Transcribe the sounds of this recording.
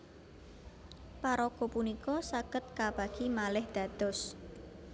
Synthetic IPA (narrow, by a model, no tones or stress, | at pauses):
paɾɔɡ̥ɔ̤punikɔsaɡ̥ət̪̚kab̥aɡ̥imalɪhd̪̥a̤d̪̥ɔ̤s